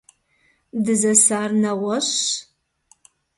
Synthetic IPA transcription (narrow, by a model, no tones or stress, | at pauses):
dɨzɐsaːrnɐʁɐɕ